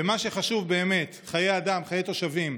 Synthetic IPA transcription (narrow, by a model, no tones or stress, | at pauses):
emaʃe̞χaʃuvbe̞ːme̞t̪χajejad̪amχajet̪o̞ʃavim